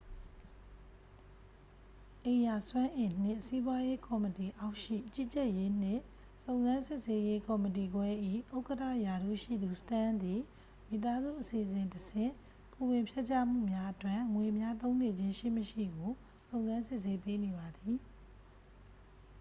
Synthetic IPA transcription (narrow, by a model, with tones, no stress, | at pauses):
ʔẽ˨ja˨swã˦ʔɪ̃˨n̥ɪ̰̃˦˨si˦bwa˦je˦kɔ˨məti˨ʔa˦ʊʔʃḭ˦˨t͡ɕi˦˨t͡ɕɛ˦ʔje˦n̥ɪ̰̃˦˨ | sõ˨ʊ̃nzã˦nsɪ˦ʔse˦je˦kɔ˨mət̬i˨ɡwɛ˦ʔḭ˦˨ʔo˦ʊkətʰä̰˦˨ja˨ɾṵ˦˨ʃḭ˦˨d̪u˨sə̥tã˦nd̪i˨ | mi˨t̪a˦zṵ˦˨ʔəsi˨ʔəsɪ̃˨ntəsɪ̰̃˦˨ | pu˨wɪ̃˨mpʰjɛ˦ʔt͡ɕa̰˦m̥ṵ˦˨mja˦ʔətwɪ̃˦˨ŋwe˨mja˦t̪õ˦ʊ̃ne˨d͡ʑɪ̃˦ʃḭ˦˨məʃḭ˦˨ɡo˨ | sõ˨ʊ̃nzã˦nsɪ˦ʔse˦pe˦ne˨βa˨d̪i˨